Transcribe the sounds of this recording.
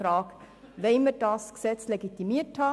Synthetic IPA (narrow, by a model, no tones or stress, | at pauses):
ɾɑːk | ʋeɪmədɑːsksɛt͡sleɡit̪imiəthɑ